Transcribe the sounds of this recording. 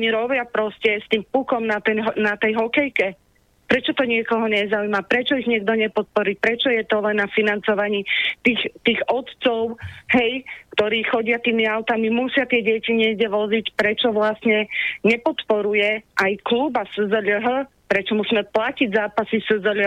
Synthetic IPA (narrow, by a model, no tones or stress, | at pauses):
ɔɲiɾɔbɪapɾɔscɛst̪iːmpukɔmnat̪ɛnnat̪ɛjɦɔkɛjkɛ | pɾɛt͡ʃɔt̪ɔɲɪɛkɔɦɔɲɛzaujmapɾɛt͡ʃɔiɣɲɪɛɡd̪ɔɲɛpɔt̪̚pɔɾiːpɾɛt͡ʃɔjɛt̪ɔlɛnːafinant͡sɔʋaɲiːt̪iːxt̪iːɣɔt̪t͡sɔʊɦɛjkt̪ɔɾiːxɔɟɪat̪iːmiaʊt̪amimusɪat̪ɪɛɟɛciɲɪɛɡɟɛʋɔzicpɾɛt͡ʃɔʋlasɲɛɲɛpɔt̪pɔɾujɛʔajkluːbasəzəʎɦə | pɾɛt͡ʃɔmusiːmɛplaciɟzaːpasisəzəʎ